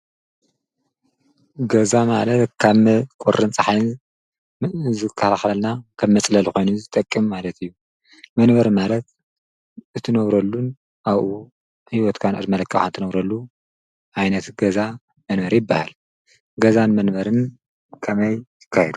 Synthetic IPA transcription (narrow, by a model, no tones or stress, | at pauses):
ɡɐzamalɐt̪kʰaβmkʼoɾʔɨnt͡sʼɐħajn | zɨkʰːɐaxɐlnakʰɐβmɐt͡sʼlɐlko̞jnuzɨt̪ʼɐkʼːɨmːalɐt̪ʰijːu | mɐnbɐɾmalɐt̪̚ | ɨt̪ʰɨnɐβɾɐlːun | aβʔu | hiwɔt̪kʰana̰ɾmɐlɐkʰːɐxant̪ʰɨnɐβɾɐlːu | ʔajnɐt̪ɡɐza | mɐnbɐɾjɪbːahal | ɡɐzanmɐnbɐɾɨn | kʰɐmɐjjɨ̥kʰːajɛd̪u